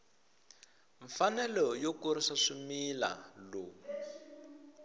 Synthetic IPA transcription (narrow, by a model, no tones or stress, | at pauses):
ɱfanɛlɔjokuɾiʂaʂumila̰loː